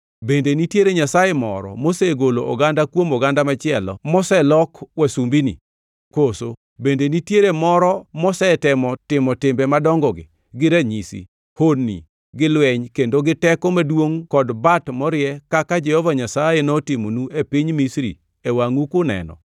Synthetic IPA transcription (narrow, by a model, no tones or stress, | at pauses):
bendenitjeɾeɲasajemɔ̰ɾɔ̰moseɡoloʔɔɡandakwomɔɡandamat͡ʃɪɛlɔ̰mɔsɛlɔkwesumbinḭ | koso | bendenitjeɾemɔɾɔmɔsɛtɪmɔtɪmɔtɪmbɛmadɔŋɡɔɡɪ̰ | ɡɪɾaɲisḭ | honːḭ | ɡɪlwɛɲkendoɡɪtɛkɔmadwoŋkɔdbatmɔɾɪjɛkakad͡ʒɛhɔvaɲasajenɔtɪmonuepiɲmisɾḭ | ewaŋukʊnɛ̰nɔ̰